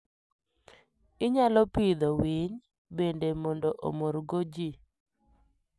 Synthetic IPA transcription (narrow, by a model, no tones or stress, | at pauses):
ɪɲalɔpid̪ɔwiɲ | bendemɔndɔʔo̰moɾɡod͡ʒi